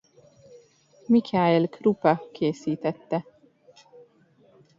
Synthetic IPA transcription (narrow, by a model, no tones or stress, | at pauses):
mikʰaːelkrupɑkʰeːsiːt̪ɛt̪ːɛ